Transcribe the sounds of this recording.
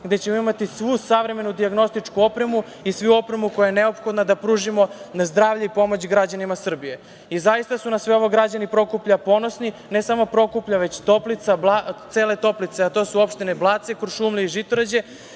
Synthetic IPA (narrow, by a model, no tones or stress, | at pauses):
ɡd̪e̞t͡ɕe̞moimat̪isʋusaʋɾe̞me̞nud̪iaɡno̞st̪it͡ʂkuo̞pɾe̞mu | isʋuuo̞pɾe̞muko̞jajeneo̞pxo̞d̪nad̪apɾuːʒimo̞nazd̪ɾaːʋʎeipo̞mot͡ɕɡɾad͡ʑanimasr̩bije̞ | izajist̪asunasʋeo̞ʋo̞ɡɾad͡ʑanipɾo̞kupʎapo̞nosnine̞samo̞pɾo̞kupʎaʋe̞t͡ɕt̪o̞plit̪sablat̪se̞ːle̞t̪o̞plit̪seat̪o̞ːsuo̞pʃt̪ineblˠaːt̪sekɾʃuːmliiʒit̪oɾad͡ʑe̞